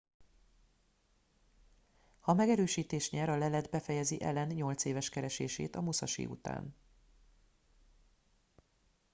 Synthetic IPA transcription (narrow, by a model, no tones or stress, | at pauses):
hɒmɛɡɛɾøːʃiːt̪eːʃɲɛɾɒlɛlɛd̪bɛfɛjɛziʔɛlɛnɲo̞lt̪seːvɛʃkɛɾɛʃeːʃḛːt̪ɒmusɒʃḭːṵt̪a̰ːn